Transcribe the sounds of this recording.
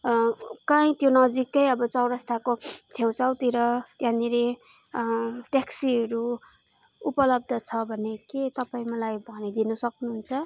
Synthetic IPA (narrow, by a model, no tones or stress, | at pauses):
kãĩt̪jonʌd͡zikːʌjʌbʌt͡sʌwɾʌst̪ʰakot͡sʰewt͡sawt̪iɾʌt̪jãniɾe | ʈaksiɦʌɾu | upʌlʌb̚d̪ʱʌt͡sʰʌbʱʌneket̪ʌpaĩmʌlajbʱʌnid̪inʌsʌknuɦunt͡sʰʌ